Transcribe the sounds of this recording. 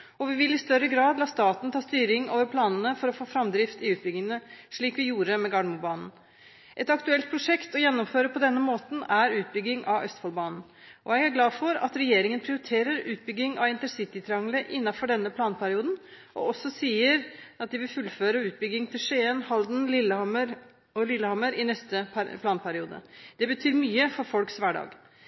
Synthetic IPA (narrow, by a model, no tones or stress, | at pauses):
ɔʋɪʋɪlɪst̪œɾəɡɾɑːd̪lɑːst̪ɑːt̪n̩t̪ʰɑːst̪yːɾɪŋo̰ːʋəɾpʰlɑːnənəfɔɾɔfoːfɾɑmd̪ɾɪft̪ɪʉːt̪̚bʏɡɪŋənəʂɭiːkʋɪjuːɾəmɛɡɑːɳmʊbɑːnn̩ | ʔɛt̪ɑkt̪ʉɛlt̪̚pʰɾʊʂɛkt̪ɔjɛnːɔmføːɾəpʰɔd̪ɛnːəmoːt̪n̩æɾʉːt̪̚bʏɡːɪŋʔɑʋʔœst̪fɑlbɑːnn̩ | ʔɔjɛɡæɾɡlɑːdfɔɾɑ̰t̪ɾɛjeːɾɪŋənpʰɾɪʊɾɪt̪ʰeːɾəɾʉːt̪̚bʏɡːɪŋʔɑ̰ʋɪnt̪əɾsɪt̪ɪt̪ʰɾɑŋləʔɪnːɑfɔɖɛnːəpʰlɑːnpʰæɾɪuːd̪n̩ʔɔ̰ɔsːɔsiːəɾʔɑt̪̚d̪ɪʋɪlfʉlːføːɾəʉːt̪̚bʏɡːɪŋt̪ʰɪlʂenhɑld̪n̩lɪlməɾ | ɔlɪlːəhɑməɾɪnɛst̪əpʰlɑːnpʰæɾɪuːd̪ə̰d̪ɛbət̪ʰyːɾmyːəfɔɾfɔlksʋæːɖɑ̰ːɡ